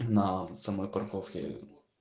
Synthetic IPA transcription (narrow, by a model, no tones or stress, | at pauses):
nasamɔjpɐrkɔfkʲɪ̰